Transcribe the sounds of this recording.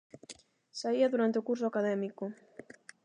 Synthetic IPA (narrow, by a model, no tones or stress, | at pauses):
saiaðuɾant̪eokuɾsʊakaðɛmiko